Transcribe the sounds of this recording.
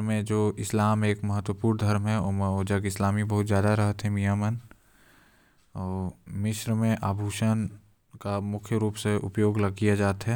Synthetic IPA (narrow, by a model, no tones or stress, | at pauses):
mẽd͡ʒoːɪslaːmeːkmɐɦət̪wəpuːɾnd̪ʱɐɾmɦɛoməoːd͡ʒəɡɪslaːmibɐɦʊt̪zjaːd̪aɾɐɦət̪ɦɛ̃mijaːmən | ɔːɾmɪʃɾəmẽʔaːbʱuːʃən | kamʊkʰjəɾuːpseʔʊ̰pjoːɡləɡ̚kijad͡ʒaːt̪ɦɛ